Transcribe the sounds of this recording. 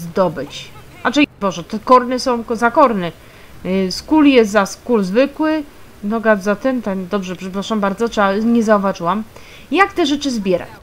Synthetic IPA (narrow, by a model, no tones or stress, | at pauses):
zd̪ɔbɘt͡ɕ | at͡ʂɛbɔʐɛt̪ɛkɔɾnɛsɔ̃w̃zakɔɾnɛ | skuljɛst̪zaskulzvɘkwɘ | nɔɡazzat̪ɛnt̪ɛnd̪ɔbʐɛpʂɛpɾaʂambaɾd̪zɔtʂɛaɲɛzauvaʐɘwam | jakt̪ɛʐɛt͡ʂɘzbʲjɛɾa̰t͡ɕ